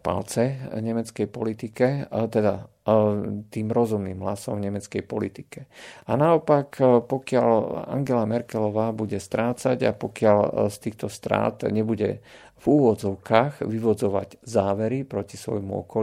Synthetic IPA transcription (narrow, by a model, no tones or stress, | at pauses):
pa̰lt͡sɛɲɛmɛt͡skɛjpɔlit̪ikɛt̪ɛd̪a | t̪iːmɾɔzumniːmɦlasɔmvɲɛmɛt͡skɛjpɔlit̪i̥kɛanaɔpakpɔkɪala̰ŋɡɛlamɛɾkɛlɔʋaːbuɟɛst̪ɾaːt͡saɟa̰pɔkɪalst̪iːxt̪ɔst̪ɾa̰ːt̪ɲɛbuɟɛ̰ | vuːʋɔd͡zɔʊkaːɣʋiʋɔd͡zɔʋa̰ɟzaːʋɛɾipɾɔcisʋɔ̰jmuɔ̰kɔ